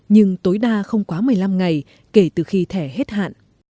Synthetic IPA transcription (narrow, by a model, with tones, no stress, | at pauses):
ɲɨ˧ŋt̪o˨˦jɗaː˧xə˧wŋ͡mkwaː˨˦mɨ˨˩əjla˧mŋa˨˩j | ke˧˩t̪ɨ˨˩xi˧t̪ʰɛ˧˩ɦe˦˥t̚ha̰ː˧˨nʔ